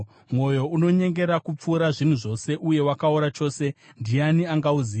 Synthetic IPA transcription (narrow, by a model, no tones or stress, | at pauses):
mwo̞jo̞uno̞ɲe̞ŋɡe̞ɾakup͡fuːɾaʐin̤uʐo̞se̞ʔuje̞wakauɾat͡ʃo̞ːse̞ndianiaŋɡauziː